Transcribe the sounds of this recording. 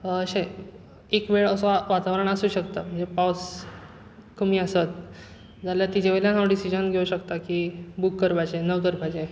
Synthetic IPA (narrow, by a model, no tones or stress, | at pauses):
əɕẽ | ekʋeɭəsõʋat̪aʋəɾəɳ̃əsuːɕəkt̪aməd͡ʑepaws | kʰumiːəsət̪̚ | d͡zaljat̪id͡ʑeʋeljanaʋɖisid͡ʑənɡʱeuɕəkt̪akibukːəɾbat͡ɕenəʋkəɾbʱad͡ʑe